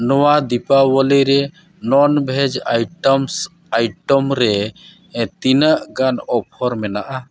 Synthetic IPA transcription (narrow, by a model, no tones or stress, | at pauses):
nɔwad̪ipawɔliɾɛ | nɔnbʱɛd͡ʒajʈɔms | ajʈɔmɾɛ | t̪inəʔɡanɔp̚ʰɔɾmɛnaʔa